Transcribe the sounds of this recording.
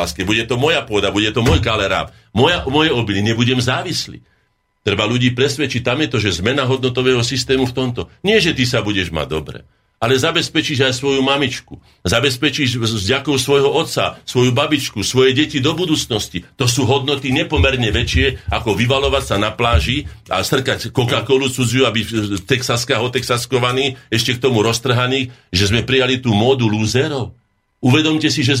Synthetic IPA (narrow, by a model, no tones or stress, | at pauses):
askɛbuɟɛt̪ɔmɔjapʊɔd̪abuɟɛt̪ɔmɔjkalɛɾa̰ːp | mɔjaʔmɔjɛɔbiliɲɛbuɟɛmzaːʋislḭː | t̪ɾɛbaluɟiːpɾɛsʋɛt͡ʃic̚t̪amjɛt̪ɔʒɛzmɛnaɦɔd̪̚nɔt̪ɔʋɛːɦɔsist̪ɛːmuft̪ɔmt̪ɔɲɪɛʒɛt̪isabuɟɛʒma̰ɟ̚d̪ɔ̰bɾɛ̰ | alɛzabɛspɛt͡ʃiʒajsʋɔjumamit͡ʃku | zabɛspɛt͡ʃiʒvɟakɔʊsʋɔjɦɔɔt̪t͡sasʋɔjubabit͡ʃkusʋɔjɛɟɛcid̪ɔbud̪uːt͡snɔscit̪ɔsuːɦɔd̪nɔt̪iɲɛpɔmɛɾɲɛʋɛt͡ʃɪɛakɔʋiʋalɔʋacsanaplaːʒia̰sr̩kackɔkakɔlut͡sud͡zjuabict̪ɛksaskaɦɔt̪ɛksaskɔʋaniːɛʃcɛk̚t̪ɔmuɾɔst̪r̩ɦaniːʒɛzmɛpɾijalit̪uːmɔd̪uluːzɛɾɔʊ | uʋɛd̪ɔmcɛsiʒɛ